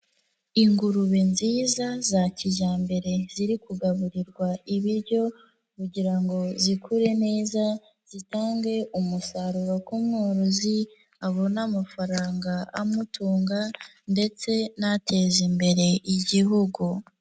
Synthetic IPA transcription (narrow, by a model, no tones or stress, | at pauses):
iŋɡuɾuβenziːzazaciʒaːmbe̞ɾe̞ziɾikuɡaβuɾiɾɡwaiβiɾɟo̞ | kuɟiɾaŋɡo̞zikʰuɾe̞ne̞ːza | z̥itaːŋɡe̞ʔumusaɾuɾokumŋoɾuzi | aβo̞namafaɾaːŋɡaamutuːŋɡa | nde̞t͡se̞natʰe̞ːzimbe̞ɾe̞ʔiɟiɦuɡu